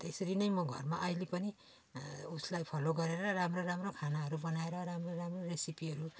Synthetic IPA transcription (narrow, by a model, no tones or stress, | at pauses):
t̪esʌɾinʌjmʌɡʱʌ̰rmaʔʌilepʌni | uslajpʰʌloɡʌɾeɾʌramroramrokʰanaɦʌɾubʌnaeɾʌɾamroramroresipiɦʌɾu